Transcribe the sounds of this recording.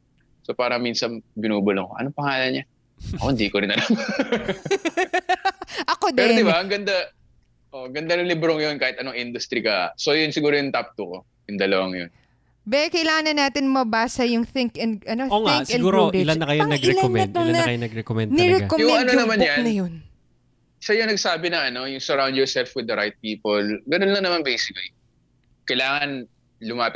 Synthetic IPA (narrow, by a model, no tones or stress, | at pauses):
sopaːɾɐŋminsɐnbɪnuːbʊloŋkoʔɐ̰noŋpɐŋaːlɐnɲa | ʔkohɪnd̪ikoɾɪnɐlam | ʔɐkod̪ɛɾod̪ɪbaɐŋɡɐnd̪a | ʔoʔŋɡɐnd̪anɐŋlɪbɾoŋjonkaːhɪt̪ʔɐnoŋʔɪnd̪ʊst̪ɾikɐsojʊnsɪɡuːɾojʊŋt̪ap̚t̪uko | jʊŋd̪ɐlɐwaŋjon | bɛkɐjlaːŋɐnɐnːaːt̪ɪnmɐbaːsɐjʊŋθɪŋkɐnʔɐnooːŋɪŋskɛ̃nɡːɾoɪlanːɐkɐjoɐɡɪɛlanɛɐt̪oŋnɐɐjonɐɡɾɛkomɛnnɛɾɛkojʊŋɐnonɐmanjannɐjon | ʃɐjʊŋnɐɡ̚saːbɪnɐɐno̞jʊŋsɛɹaw̃ndjɔɹsɛlfwɪd̪ɐɾajt̪̚piːpolɡɐnonlɐŋnɐmanbejsɪkli | kɐjlaːŋɐn | lʊmaːpɪ